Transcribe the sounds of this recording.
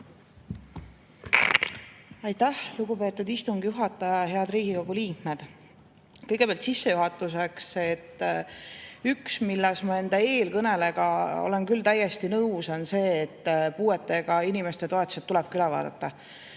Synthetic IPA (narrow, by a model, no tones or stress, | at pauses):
ɑjt̪ːæhluɡ̥upe̞ːt̪ːˑud̪ist̪uŋɡ̥juɦɑt̪ːˑɑjɑɦe̞ɑd̪riːɡ̥iko̞ɡuliːkmed̪̥ | kɤjɡ̥e̥ejɑlt̪sisːe̞juɦɑt̪ːˑus̬e̞kse̞t̪ː | yksmilːɛsmɑe̞nd̪̥ɑe̞ːlkɤne̞le̞ɡ̥ɑo̰le̞nkylt̪æjest̪inɤwso̞nse̞ːt̪ːpuːe̞t̪ːˑe̞ɡ̥ɑinimest̪e̞t̪oet̪ːˑu̥set̪ːulɛb̥̚kylɛvɑ̰ːd̪̥ɑ̰t̪ːɑ